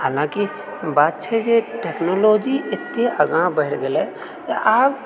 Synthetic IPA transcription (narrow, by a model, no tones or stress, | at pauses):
haːlãki | baːt̪t͡ʃʰɛd͡ʒeʈeːknoːloːd͡ʒiʔɪt̪ːeəɡãbəɦɪʈɡele | ʔaːb